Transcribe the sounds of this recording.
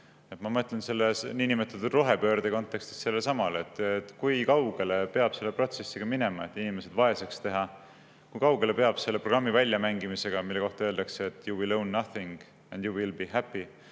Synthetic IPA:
et̪mɑmɤt̪ːˑlense̞lːesninimet̪ːˑut̪ːud̪ro̞ɦe̞pø̞ːɾd̪̥eko̞nt̪ˑːe̞kst̪i̥sse̞lːesɑmɑlet̪ːˑt̪ːkujkɑwɡ̥e̞le̞pe̞ɑb̥se̞lːe̞pro̞t̪se̞sːiɡ̥ɑmine̞mɑe̞t̪ːˑinime̞se̞d̪vɑe̞sekst̪e̞ɦɑ | kujkɑwɡe̞le̞pe̞ɑb̥se̞lːe̞pro̞ɡ̥rɑmːivælʲjɑmæŋɡimise̞ɡ̥ɑmilːe̞ko̞ht̪ɑøeld̪̥ɑkseːt̪ːjuwilownːɑθiŋɡ̥ | æ̃nd̪juwilbiɦæpːi

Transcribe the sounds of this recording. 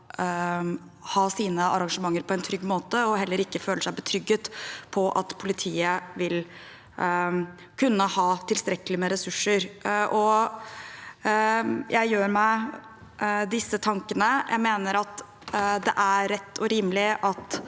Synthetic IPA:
hɑːsiːnəʔɑɾɑŋʂəmɑŋːəɾpʰɔɛnt̪ʰɾʏɡːmoːt̪əɔɦɛlːəɾɪkːəføːləʂæɪbət̪ʰɾʏɡːət̪pʰɔʔɑ̰t̪pʰʊlɪt̪ʰiːəʋɪl | kʰʉnːəhɑːt̪ʰɪlst̪ɾɛkəlɪmɛɾɛsʉʂːəɾʔɔ | jʔæɪjøːɾmæɪ | d̪ɪsːət̪ʰɑŋkənəjʔæ̰ɪmeːnəɾɑt̪ | d̪ɛʔæɾɛt̪ːʰɔɾiːmlɪʔɑt̪

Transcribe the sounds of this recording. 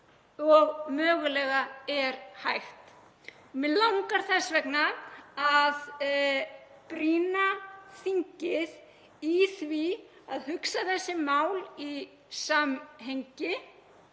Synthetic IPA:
ɔɣmœːɣʏlɛːɣaɛɾhajxt̪ | mɪlawŋkaɾ̥θɛsvɛknaað | pɾiːnaθiɲcɪð | iθvi | aðhʏksaθɛsːɪmaːwli | samɦejɲcɪ

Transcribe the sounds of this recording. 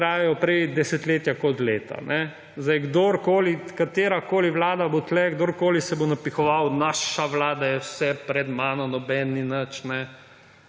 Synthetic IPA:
ɾaːjɛjɔpɾɛjd̪ɛsɛt̪leːt̪jakɔt̪leːt̪a̰nʔɛ | zd̪ajɡd̪oɾkoːlikat̪eːɾakoːliʋlaːd̪abot̪lɛɡd̪oɾkoːlisɛbonapixɔʋawnaːʃaʋlaːd̪ajɛwsɛpɾɛd̪maːnɔnɔbɛninət͡ʃnɛ

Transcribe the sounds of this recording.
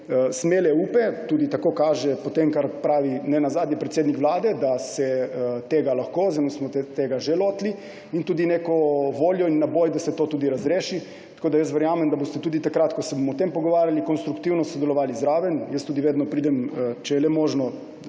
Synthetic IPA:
smeːlɛuːpɛt̪uːd̪it̪akoːkaːʒɛpot̪emkaɾpɾaːʋinɛnazaːd̪nɲɛpɾɛt̪seːd̪nikʋlaːd̪ɛd̪asɛt̪eːɡalaxkoːzanusmɔt̪t̪eːɡaʒɛloːt̪li | int̪uːd̪ineːkɔʋoːljɔinːabojd̪asɛt̪oːt̪uːd̪iɾazɾeːʃi | t̪ḁkoːd̪ajəst̪ʋɛɾjaːmɛmd̪abost̪ɛt̪uːd̪it̪akɾat̪kɔsɛbomɔːt̪empɔɡɔʋaːɾjalikonst̪ɾukt̪iwnɔsod̪ɛlɔʋaːlizɾaːʋɛnjəst̪uːd̪iʋeːd̪nɔpɾiːd̪ɛmt͡ʃɛjɛlɛmoːʒnɔ

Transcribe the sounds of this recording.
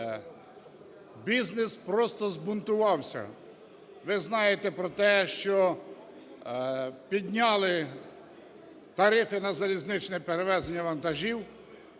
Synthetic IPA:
bʲiznespɾɔst̪ɔzbʊnt̪ʊʋɑwsʲɐ̰ | ʋɪznɑjet̪ɛpɾɔt̪ɛʃt͡ʃɔ | pʲid̪ʲnʲɑlˠɪ | t̪ɐɾɪfɪnɐzɐlʲiznɪt͡ʃnɛpeɾeʋɛzenʲːɐʋɐnt̪ɐʒʲiw

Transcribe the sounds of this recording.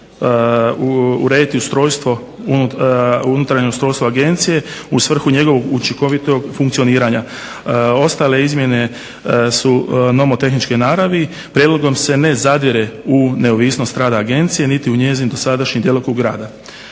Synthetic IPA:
uɾe̞ːd̪it̪iust̪ɾo̞ːjst̪ʋo̞ | uuunut̪ɾaɾɲeust̪ɾojst̪ʋoaɡe̞nt̪sije̞usʋr̩xuɲe̞ɡo̞ʋo̞ɡut͡ʃiko̞ʋit̪oɡfuŋktsio̞niːɾaɲa | o̞st̪aːle̞izmje̞ne̞ | suno̞mot̪e̞xnit͡ʃkenaːɾaʋi | pɾjed̪lˠo̞ɡo̞mse̞ne̞zad̪iɾeune̞oʋisno̞st̪ɾaːd̪aːɡe̞nt̪sije̞nit̪iuɲe̞ːzimd̪o̞sad̪aʃɲimd̪jelokoɡɾa̰ːd̪a

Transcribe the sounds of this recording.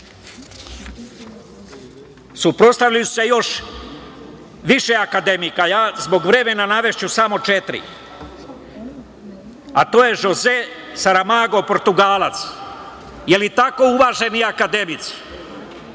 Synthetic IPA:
supɾo̞t̪st̪aʋʎaju̥se̞jo̞ʃ | ʋiʃeakad̪emikajaːzbo̞ɡʋɾe̞me̞nanaʋe̞ʃt͡ɕusamo̞t͡ʃet̪ɾḭ | at̪oːje̞ʒoze | saɾamaɡo̞po̞ɾt̪uɡaːlat̪s | jelit̪ako̞uʋaːʒe̞niakad̪e̞mit̪si̥

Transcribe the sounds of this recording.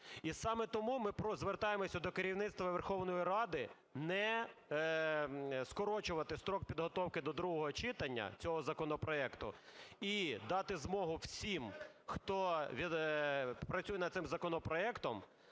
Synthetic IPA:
isɑmɛt̪ɔmumɪpɾɔzʋert̪ɑjemɔsʲɐd̪ɔkeɾʲiwnɪt̪st̪ʋɐʋerxɔwnɔjiɾɑd̪ɪ | nɛ | skɔɾɔt͡ʃʊʋɐt̪ɪst̪ɾɔk̚pʲid̪ɦɔt̪ɔwkɪd̪ɔd̪ɾuɦɔɦɔt͡ʃɪt̪ɐnʲːɐ̰t͡sʲɔɦɔzɐkɔnɔpɾɔɛkt̪ʊ̰id̪ɑt̪ɪzmɔɦʊwsʲim | xt̪ɔʋʲi | pɾɐsʲujɛnɐd̪sɪmzɐkɔnɔpɾɔɛkt̪ɔm

